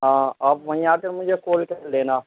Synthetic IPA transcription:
ɦãːaːpʋɐ̃ĩaːkəɾmʊd͡ʒʱekoːlkɐleːnaː

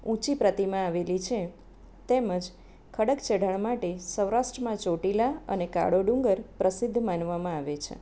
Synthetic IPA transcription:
ũt͡ʃipɾət̪imãaʋelit͡ʃʰe | t̪eməd͡ʒ | kʰəɽəkt͡ʃeɽ̤əɳmaʈesəwɾaʃʈɾəmãt͡ʃoʈilaə̰neka̰ɽoɖũŋɡəɾpɾəsid̪ʱːmanʋamãaʋet͡ʃʰḛ

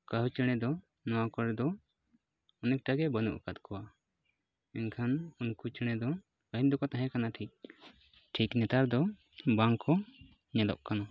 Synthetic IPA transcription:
kaɦut͡ʃəɽ̃ɛd̪ɔ | nɔwakɔɽd̪ɔ | ɔnɛk̚ʈaɡɛbənṵʔkat̪̚kʰɔwa | ɛnkʰanunkut͡ʃəɽ̃ɛd̪ɔ | kəɦin̚d̪ɔkɔt̪aɦɛ̃kanaʈʰik̚ | ʈʰiknɛt̪aɾd̪ɔ | baŋkɔ | ɲɛlɔ̰ʔkana

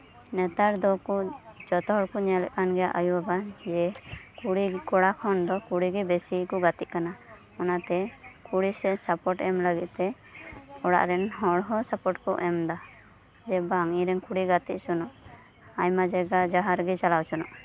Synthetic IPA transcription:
nɛt̪aɾd̪ɔkɔd͡ʒɔt̪ɔɦɔɽkɔɲɛlɛk̚anɡɛjaʔajuabad͡ʒɛkuɽikɔɽakʰɔnd̪ɔkuɽiɡɛbɛsikɔɡat̪it̪̚kana | ɔnat̪ɛkuɽisɛsapɔʈɛmləɡit̪̚ˀt̪ɛ | ɔɽa̰ʔɾɛnɦɔɽɦɔsapɔʈkɔ̰ʔɛmd̪a | d͡ʒɛbaŋiɾɛnkuɽiɡat̪iʔ̪̚sɔnɔʔ | aɲmad͡ʒɛɡad͡ʒaɦaɾɡɛt͡ʃalawsɔnɔʔ

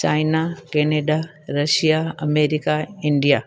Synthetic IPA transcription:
t͡ɕaːjnakeːneɖa | ɾɐʃijaɐmeːɾikaɪɳɖija

